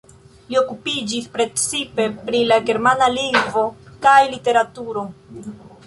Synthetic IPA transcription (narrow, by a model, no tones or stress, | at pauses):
lio̞kupid͡ʒispɾe̞t͡sipe̞pɾilaɡe̞ɾmanaliŋvo̞kajlite̞ɾatuɾo̞